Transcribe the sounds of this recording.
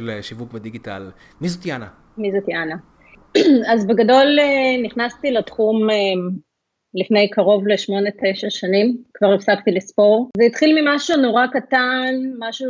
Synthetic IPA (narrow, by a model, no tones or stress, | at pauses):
leʃivukbed̪iɡita̰l | mizot̪jana | mizot̪jana | azbeɡado̞leniχnast̪iletχumem | lifne̞jkaʁo̞vleʃmo̞ne̞te̞jʃaʃanimkvaʁifsaktilespo̞ʁveit̪χilmimaʃuno̞ʁakatanmaʃu